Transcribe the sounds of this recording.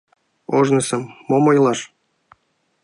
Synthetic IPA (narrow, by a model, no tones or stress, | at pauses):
oʒnɤ̆sɤ̆mːomɤjlˠɑr